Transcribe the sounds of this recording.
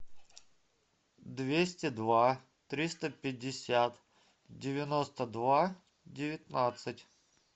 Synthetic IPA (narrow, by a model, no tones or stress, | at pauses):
d̪vʲesʲtʲɪd̪va | t̪ɾʲist̪əpʲɪdʲːɪsʲat̪ | dʲɪvʲɪnost̪əd̪va | dʲɪvʲɪt̪ʲnat̪sɨtʲ